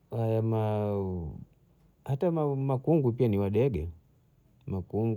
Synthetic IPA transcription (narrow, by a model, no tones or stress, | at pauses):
hajama | hataamakuŋɡupianiwaɗɛɡɛ | makuŋɡ